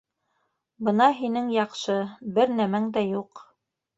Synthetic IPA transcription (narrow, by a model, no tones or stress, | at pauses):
bɤ̆nɑɦinɘŋjɑqʃɤbɘɾnæmæŋd̪æjuq